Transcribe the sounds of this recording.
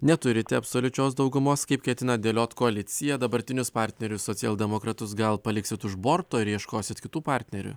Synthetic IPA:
nʲɛt̪ʊɾʲɪt̪ʲɛɐpsoːlʲʊt͡ʃʲoːsd̪ɒʊɡʊmoːskɐɪpkʲɛt̪ʲɪnɐd̪ʲeːlʲoːt̪koɐlʲɪt̪sʲɪjɛd̪ɐbɐɾʲt̪ʲɪnʲʊspɑˑɾʲt̪ʲnʲɛɾʲʊssoːsʲɪɛlˠʲd̪ʲɛmoːkɾɐt̪ʊsɡɐlˠpɐlʲɪksʲɪt̪ʊʒboːɾt̪oːɪɾiɛʃkoːsʲɪt̪kʲɪt̪uːpɑˑɾʲt̪ʲnʲɛɾʲʊ̰

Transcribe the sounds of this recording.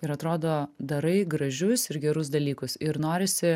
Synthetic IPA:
ɪɾɐt̪ɾoːd̪oːd̪ɐɾɐɪɡɾɐʒʲʊsɪɾɡʲɛɾʊs̬d̪ɐlʲiːkʊsɪɾnoːɾʲɪsʲɪ

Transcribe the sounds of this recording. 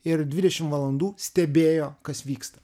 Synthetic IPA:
ɪɾd̪ʲʋʲɪd̪ʲɛʃʲɪmʋɐlˠɐnd̪uːsʲt̪ʲɛbʲeːjoːkɐsʋʲiːkst̪ɐ̥

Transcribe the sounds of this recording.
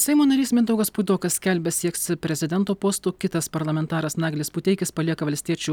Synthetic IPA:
sʲɛɪmoːnɐɾʲiːsmʲɪnd̪ɐʊɡɐspud̪oːkɐsʲsʲkʲɛlʲbʲɛsʲiɛksʲɪpʲɾʲɛzʲɪd̪ʲɛnt̪oːpoːst̪oːkʲɪt̪ɐspɐɾlˠɐmʲɛnt̪ɑːɾɐsnɑːɡlʲespuːt̪ʲɛɪkʲɪspɐlʲiɛkɐʋɐlʲsʲt̪ʲiɛt͡ʃʲu

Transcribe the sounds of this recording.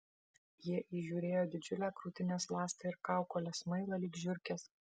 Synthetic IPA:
jiɛʔiːʒʲuːɾʲeːjoːd̪ʲɪd͡ʒʲʊlʲæːkɾuːt̪ʲɪnʲeːslˠɑːsʲt̪ʲɐɪɾkɑˑʊkoːlʲɛsmɐɪlˠɐlʲiːɡʒʲʊɾʲkʲɛs

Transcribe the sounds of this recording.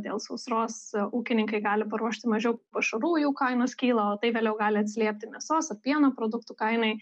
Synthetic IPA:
d̪ʲḛːlˠsɐʊsɾoːsuːkʲɪnʲɪŋkɐɪɡɑːlʲɪpɐɾuɔʃʲt̪ʲɪmɐʒʲɛʊppɐʃɐɾuːjuːkɐɪnoːskʲiːlˠɐoːt̪ɐɪʋʲeːlʲɛʊɡɑːlʲɪɐt̪ʲsʲlʲiɛp̚ʲt̪ʲɪmʲɛsoːsɐrpʲiɛnɐpɾoːd̪ʊkt̪ukɐɪnɐɪ

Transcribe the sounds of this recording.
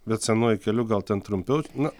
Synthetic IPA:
bʲɛt̪sʲɛnoɔjɪkʲɛlʲʊɡɐlˠt̪ʲɛnt̪ɾʊmʲpʲɛʊnʊ

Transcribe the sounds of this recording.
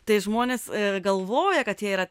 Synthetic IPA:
t̪ɐɪʒmoːnʲeːsɡɐlˠʋoːjɛkɐt̪jiɛiːɾɐ

